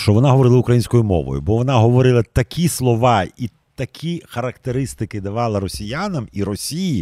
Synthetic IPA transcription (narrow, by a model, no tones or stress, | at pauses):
ʃt͡ʃɔʋɔnaɦɔʋɔɾɪlˠɐʊkɾɐjinʲsʲkɔjʊmɔ̰ʋɔ̰jʊ̰bɔʋɔnaɦɔʋɔɾɪlˠɐt̪ɐkʲʰislˠɔʋɑi | t̪ɐkʲʰixɐɾɐkt̪eɾɪst̪ɪkɪd̪ɐʋɑlˠɪɾɔsʲijanɐmiɾɔsʲiji